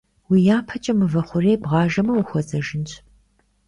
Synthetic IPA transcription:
wijaːpʰɐt͡ʃʼɐmɨvɐχʷʊreːbʁɑːʒɐmɐwʊxʷɔzɐʒɪnt͡ʃʰʼ

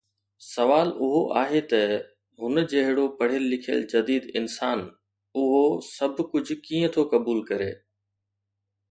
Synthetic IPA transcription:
sɐʋaːlʊɦoʔa̰ːɦet̪ɐ | ɦʊnəd͡ʑɐɦɪɽopɐɽ̤ɪlːɪkʰjə̰ld͡ʑɐd̪iːd̪ɪnsaːn | ʊɦosɐbʱkʊd͡ʑʱʊ̆kĩːə̃t̪ʰokɐbuːlkɐɾḛː

